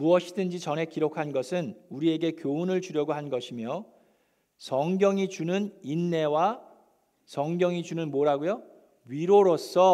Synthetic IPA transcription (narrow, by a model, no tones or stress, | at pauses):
muʌɕʰidɯnd͡ʑit͡ɕʌne̞kiɾokʰanɡʌsʰɯnuɾie̞ɡe̞kjounɯɭt͡ɕuɾjʌɡoɦanɡʌɕʰimjʌ | sʰʌŋɡjʌŋit͡ɕunɯninːe̞wa | sʰʌŋɡjʌŋid͡ʑunɯnmoɾaɡojo | ɥiɾoɾos͈ʌ